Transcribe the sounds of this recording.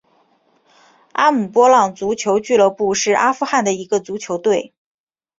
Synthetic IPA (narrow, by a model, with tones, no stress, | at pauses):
a˥mu˨˩pwɔ˥lɑ˨˩ŋt͡su˧˥t͡ɕʰjo˧˥ʊt͡ɕy˥˧lɤ˥˧pu˥˧ʂɻ̩˥˩ʔa˥fu˥˧xa˥˩nd̪ə˩i˧˥ɡə˧t͡su˧˥t͡ɕʰjo˧˥ʊt̪we˥˩ɪ